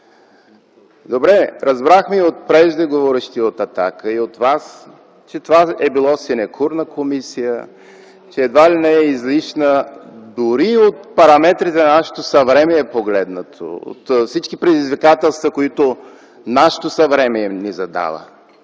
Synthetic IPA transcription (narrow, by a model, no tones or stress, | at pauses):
d̪obɾɛɾɐzbɾaxmiot̪̚pɾɛʒd̪ɛɡovɔɾɛʃt̪iot̪ɐt̪akəiot̪vas | t͡ʃɛt̪ovaɛbilˠɔsinɛkʰuɾnəkʰomisijə | t͡ʃɛːd̪valinɛɛizliʃnəd̪ʊɾiot̪̚pɐɾɐmɛt̪ɾit̪ɛnɐnaʃɛ̥t̪osɐvɾɛmɛːpoɡlɛd̪nət̪ʰo̰o̰t̪fsit͡ʃkipɾɛd̪izvikat̪ɛlˠst̪vəkoit̪o | naʃə̥t̪osɐvɾɛmɛnizɐd̪a̰və̰